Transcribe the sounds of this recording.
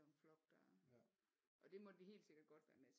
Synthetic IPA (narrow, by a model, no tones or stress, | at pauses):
ɒmflɒ̽ɡ̥̚d̥æ | ʔɒ̽d̥e̝mɒ̽d̥ihe̝̰ːldse̝ɡ̥ɐd̥̚ɡ̥ɒ̽d̥ʋæɐnes